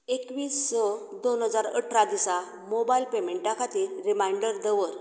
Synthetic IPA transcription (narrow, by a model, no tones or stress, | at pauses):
ekʋiːsːɔd̪onɦəd͡zaɾəʈʰɾad̪isa | mobailpemeɳʈːakʰat̪iːɾɾimaiɳɖəɾd̪əʋəɾ